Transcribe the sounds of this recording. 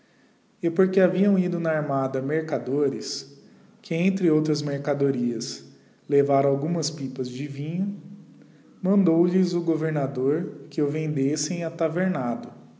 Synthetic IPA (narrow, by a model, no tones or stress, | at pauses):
ɪpoɾkeaviɐ̃w̃id̪ʊnɐaɾmad̪ɐmeɾkad̪oɾɪs | kɪẽnt̪ɾɪowt̪ɾɐzmeɾkad̪oɾiɐs | levaɾɐ̃awɡũmɐspipɐzd͡ʒɪvĩɲʊ | mɐ̃nd̪owlɪzʊɡoveɾnad̪oɾkɪʊvẽnd̪esẽj̃ɐt̪aveɾnad̪ʊ